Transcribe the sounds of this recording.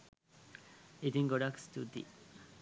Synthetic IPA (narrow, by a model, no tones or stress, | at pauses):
it̪ĩŋɡoɾakst̪ut̪ḭ